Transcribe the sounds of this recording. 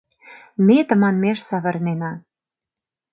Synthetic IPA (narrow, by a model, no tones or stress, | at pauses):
mʲet̪ə̆mɑnmeʃsɑβɤ̆rnenɑ